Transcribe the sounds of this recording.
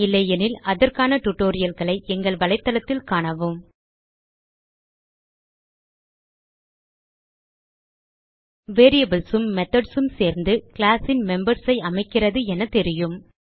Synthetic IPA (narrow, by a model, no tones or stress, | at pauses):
ɪlːɐjɛnɪlɐðɐɾkaːnɐʈʊʈːoːɾɪjɐlɣɐɭɐɪʔɛŋɡɐɭʋɐɭɐɪt̪ːɐlɐt̪ːɪlkaːɳɐʋɯm | ʋeːɾijɐbɪlsɯmːɛt̪ɐɖsɯmseːɾnd̪ɯkɪɭaːsɪnmɛmbɐɾsɐɪɐmɐɪkːɪrɐðɯɛnɐt̪ɛɾɪjɯm